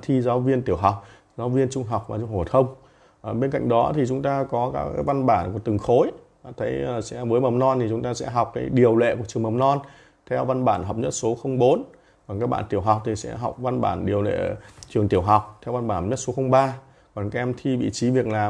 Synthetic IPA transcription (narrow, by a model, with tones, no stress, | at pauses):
t̪ʰi˧zaː˨˦wvi˧ənt̪i˧˩əwɦa˨˩wk͡p̚ | zaː˨˦wvi˧ənt͡ɕʊ˧ŋ͡mɦa˨˩wk͡p̚maː˨˩t͡ɕʊ˧ŋ͡mho˨˩t̪ʰə˧wŋ͡m | ɓe˧nka̰˧˨ŋ̟ɗɔ˨˦t̪ʰi˨˩t͡ɕʊ˨˦ŋ͡mt̪aː˧kɔ˨˦kaː˨˦˥ka˨˦jva˧nɓaː˧˩nku˨˩ət̪ɨ˨˩ŋxo˨˦j | a̰˧˩t̪ʰə˨˦jsɛ̰˧˥vəː˨˦jmə˨˩mnɔ˧nt̪i˨˩t͡ɕʊ˨˦ŋ͡mt̪aː˧sɛ̰˧˥ɦa˨˩wk͡p̚kaː˨˦jɗi˨˩əwlḛ˧˨ku˧˩ət͡ɕɨ˨˩əŋmə˨˩mnɔ˧n | t̪ʰɛ˧wva˧nɓaː˧˩nɦa˨˩wk͡p̚ɲə˦˥t̚so˨˦xə˧wŋ͡mɓo˨˦n | kɔ˨nkaː˦˥k̚ɓa̰ː˧˨t̪i˧˩əwɦa˨˩wk͡p̚t̪ʰi˨˩sɛ̰˧˥ɦa˨˩wk͡p̚va˧nɓa̰ː˧˩nɗi˨˩əwlḛ˧˨t͡ɕɨ˨˩əŋt̪i˧˩əwɦa˨˩wk͡p̚t̪ʰɛ˧wva˧nɓaː˧˩nɲə˦˥t̚so˨˦xə˧wŋ͡mɓaː˧ | kɔ˨˩nka˨˧˥ʔɛ˧mt̪ʰi˧vḭ˧˨t͡ɕi˨˦vi˨˩ək̚naː˨˩